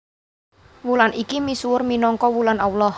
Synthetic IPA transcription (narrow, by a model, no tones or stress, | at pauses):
wulanikimisuwʊrminɔŋkɔwulanawlɔh